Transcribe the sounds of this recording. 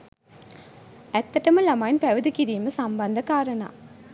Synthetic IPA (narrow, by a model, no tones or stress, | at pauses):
æt̪ːɐʈɐməlamajnpæʋəd̪əkiɾiːməsamband̪ɐkaːɾɐna̰ː